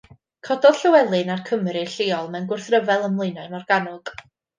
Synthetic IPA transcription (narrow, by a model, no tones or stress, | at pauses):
kʰɔdɔð̥ɬəwɛlˠɨnarkʰəmrɨɬɪːɔlˠmɛwnɡʊrθrəvɛlˠəmlˠejnaɨmɔrɡ̥anɔɡ̥